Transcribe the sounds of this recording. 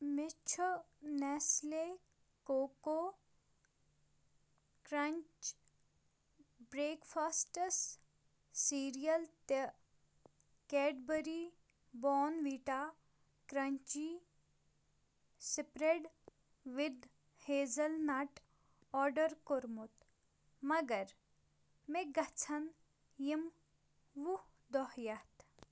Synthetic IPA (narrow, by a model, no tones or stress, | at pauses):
mɪt͡ʃʰ | nɛːsle | koːko | kɾɐɲt͡ʃ | bɾeːkfʰaːsʈəsː | iːɾijəlt̪e | kɛːɖbəɾi | bɔːnʋiːʈa | kɾɐɲt͡ʃi | sipɾeɖ | ʋɪd̪ | heːzɐlnaʈ | ɔːɾɖɐɾkoɾmut̪ | mɐɡɐɾ | meɡɐt͡sʰɐn | jim | ʋud̪ɔhjɐt̪